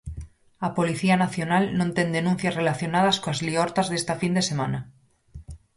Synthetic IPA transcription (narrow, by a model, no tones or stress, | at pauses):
apo̞liθianaθjo̞nalnont̪e̞nd̪e̞nũn̟θjasre̞laθjo̞nað̞askoazlioɾt̪azðe̞st̪afind̪e̞se̞mãna